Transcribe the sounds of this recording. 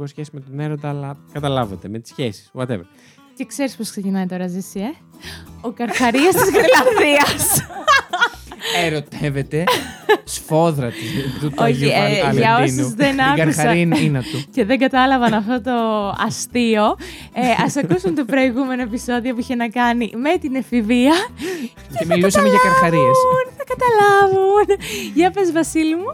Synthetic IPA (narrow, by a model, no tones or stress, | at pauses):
ɣosçesimet̪oneɾot̪ɐlɐkɐt̪ɐlɐvet̪emet̪i̥sçesi̥swɐt̪evɐ̰ | ce̞kse̞ɾispo̞sksecinɐit̪o̞ɾɐzisie | okɐɾxɐɾiɐst̪izɣɾilɐnðiɐs | eɾo̞t̪evet̪e̞sfo̞ðɾɐt̪izt̪uoçiʝɐonzðenɐkɐɾusɐɐɾinɐinɐt̪uce̞ðeŋɡɐt̪ɐlɐvɐnɐft̪o̞t̪o̞ɐst̪io̞ | eɐsɐkusunt̪o̞ɾo̞iɣume̞no̞e̞piso̞ðio̞puiçe̞nɐkɐnime̞t̪inefiviɐ | cemilusɐmeʝɐkɐɾxɐɾiesnθɐkɐt̪ɐlɐvunʝɐpezvɐsilimu